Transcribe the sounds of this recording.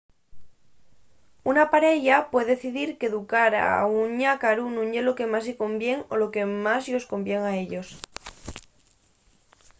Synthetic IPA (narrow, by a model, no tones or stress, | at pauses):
unapaɾe̞ʎapwe̞ðeθiðiɾkeðukaɾa̰uɲakaɾunũɲʎe̞loke̞masiko̞mbje̞ŋo̞lo̞ke̞mazʎo̞sko̞mbjeŋaeʎo̞s